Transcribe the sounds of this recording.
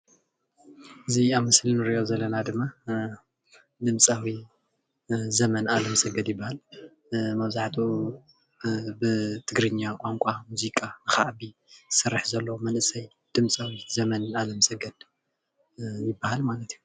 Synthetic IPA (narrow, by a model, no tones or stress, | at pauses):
ʔɨziaβmɨslinɨɾiʔozɐlːɐnad̪ɨmːa | d̪ɨmt͡sʼawi | zɐmɐnalɐmɐsɐɡɐd̪jɪbːahal | mɐβzaʕt̪ʰʼu | bɨt̪ʰɨɡɾɨɲːakʼaŋkʷʼamuzikʼanɨxaʔbisɨrːɨħzɐlːɐwmɐnʔɨsɐj | d̪̥ɨmt͡sʼawizɐmɐnalɐmɐsɐɡɐd̪̥ | jɪbːahalmalɐt̪ʰiju